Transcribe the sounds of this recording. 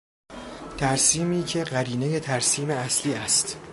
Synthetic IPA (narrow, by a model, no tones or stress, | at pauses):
t̪ʰæɾsiːmiːcʰe̞ɢæɾiːne̞je̞t̪ʰæɾsiːme̞æsliːæst̪